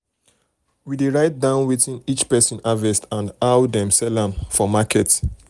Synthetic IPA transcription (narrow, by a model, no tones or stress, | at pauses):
wideɹaɪt̚dãʊ̃nwetĩnit͡ʃpɛsɔ̃navɛstãndawdɛ̃msɛlãmfɔmakɛt